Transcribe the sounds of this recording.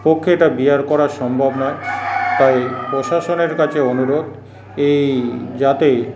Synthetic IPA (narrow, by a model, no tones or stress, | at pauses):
pokʰːeeʈabiaɾkɔɾaɾʃɔmbʱobnɔet̪ajpɾoʃaʃoneɾkat͡ɕʰeonuɾod̪ | ejd͡ʑat̪e